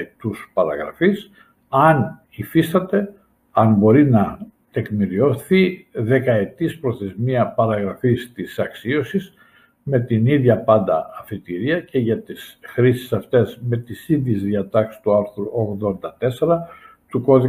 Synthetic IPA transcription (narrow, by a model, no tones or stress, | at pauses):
t̪uspɐɾɐ̰ɣɾɐ̰fis | ɐn | ifist̪ɐt̪e̞ | ɐnbo̞ɾinɐ | t̪e̞kmiɾio̞θiðe̞kɐe̞t̪ispɾo̞θe̞zmiɐpɐɾɐɣɾɐfist̪isɐksio̞sis | me̞t̪iniðʝɐpɐnd̪ɐ̰ɐfit̪iɾiɐce̞ʝɐt̪isxɾisi̥sɐft̪e̞zme̞t̪isinðiezðiɐt̪ɐksi̥st̪uɐɾθɾuoɣðo̞nd̪ɐt̪e̞seɾɐ | t̪uko̞ði